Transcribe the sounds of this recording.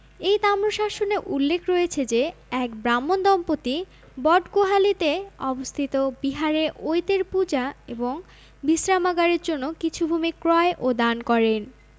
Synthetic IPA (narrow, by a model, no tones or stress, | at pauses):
ejt̪amɾoʃaʃoneʔulːekʰɾɔet͡ɕʰed͡ʑeɛk̚bɾamːond̪ɔmpot̪i | bɔɖɡoɦalit̪eɔbost̪ʰit̪obiɦaɾeɾʔojt̪eɾpud͡ʑaeboŋ | bisɾamaɡaɾeɾd͡ʑonːokit͡ɕʰubʱumikɾɔeʔod̪ankɔɾen